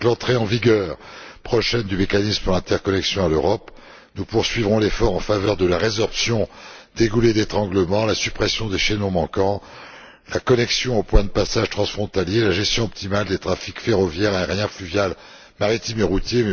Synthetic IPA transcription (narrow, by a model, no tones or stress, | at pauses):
lɑ̃t̪χeɑ̃viɡʲœːʁpχɔʃɛnd̪ymekanispuʁlɛ̃t̪ɛʁkɔnɛksjɔ̃aløʁɔp | nupuʁsɥivʁɔ̃lefɔʁɑ̃favœʁd̪əlaʁezɔʁpsjɔ̃d̪̥eɡuled̪et̪χɑ̃ɡləmɑ̃lasypχesjɔ̃d̪eʃenɔ̃mɑ̃kɑ̃ | lakɔnɛksjɔ̃opwɛ̃d̪əpasaʒt̪χɑ̃sfχɔ̃t̪aljelaʒɛst̪jɔ̃ɔp̚t̪imald̪et̪χafikfeʁɔvjɛʁɛ̃ʁjɛ̃flyvjal | maʁit̪imeʁut̪je